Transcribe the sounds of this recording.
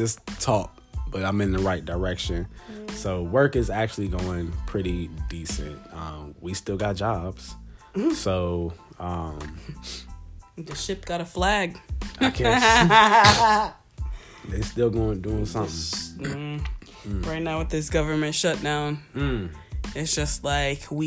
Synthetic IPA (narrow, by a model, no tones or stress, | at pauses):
ɪstʰɔp̚b̥ʌɾãɪ̃mɨ̃nðɨɹaɪt̚d̥ə˞ɛkʃɨ̃nsoʊwɜ˞kɨzæk̚t͡ʃʉl̩ˠiɡoʊɪ̃ŋpʰɹ̥ɪɾidisɨ̰̃nt̚ʌ̃mwistɪlˠɡɑt̚d̥ʒ̥ɑbz̥soʊʌ̃m | ðɨʃɪp̚ɡ̥ɑɾəflæɡkʰ | ðə˞stɪlˠɡoʊɪ̃ŋduɪ̃ŋsʌ̃ | ɹaɪt̚ⁿnawəðɪs̬ɡ̥ʌvə˞mɨ̃ntʃʌt̚d̥ãʊ̃n̩ | ɨtsd̥ʒ̥ʌst̚ˡlaɪkwi